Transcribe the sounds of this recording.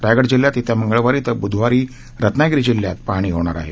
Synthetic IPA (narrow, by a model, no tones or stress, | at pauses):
ɾajɡəɽd͡ʑiljat̪it̪ʰjaməŋɡəɭʋaɾiːt̪əbud̪ʱʋaɾiː | ɾət̪naɡɾid͡ʑiljat̪paɽ̃iːɦoɳ̃a̰ɾa̰ɦḛ